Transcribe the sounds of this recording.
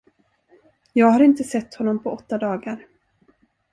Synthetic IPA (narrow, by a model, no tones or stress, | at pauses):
jɑːɡhaɾɪnt̪əsɛt̪ːhɔnːɔmpʰɔɔt̪ːad̪ɑːɡaɾ